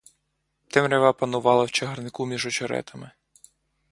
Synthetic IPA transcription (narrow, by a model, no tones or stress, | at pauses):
t̪ɪmɾʲɛʋapɐnʊʋɑlˠɐwt͡ʃɐɦɐrnɪkumʲiʒɔt͡ʃɔɾɛ̰t̪ʰɐmɪ